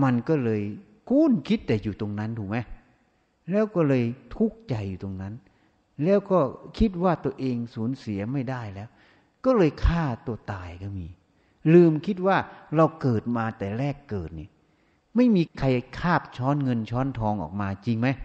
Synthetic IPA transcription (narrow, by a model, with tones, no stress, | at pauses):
ma˧nkɔː˥˩lɤː˧j | kʰuː˥˩˨nkʰi˦˥t̪̚ːɛː˨˩juː˨˩t̪o˧ŋna˦˥nt̪ʰuː˨˩k̚ma˦˥j | lɛː˦˥˩wkɔː˥˩lɤː˧jt̪ʰu˦˥k̚t͡ɕa˨˩jːuː˨˩t̪o˧ŋna˦˥˨n | lɛː˦˥˩wkɔː˥˩kʰi˦˥t̪̚waː˥˩t̪u˧əʔeː˧ŋsuː˩˦nsi˨˩˦ɐma˥˩jdaː˥˩jlɛː˦˥w | kɔː˥˩lɤː˧jkʰaː˥˩t̪u˧ət̪aː˧˩jkɔː˧˥˩miː˧ | lɯː˧˩mkʰi˦˥t̪̚waː˥˩ɾa˧wkɤː˨˩t̪̚maː˧t̪ɛː˨˩ɾɛː˥˩kːɤː˨˩t̪̚nḭ˧˩˨ | ma˥˩jmiː˧kʰa˧jkʰaː˥˩p̚t͡ɕʰɔː˦˥nŋɤ˧nt͡ɕʰɔː˦˥nt̪ʰɔː˧ŋʔɔ̰ː˨˩k̚maː˧t͡ɕi˧ŋma˦˥j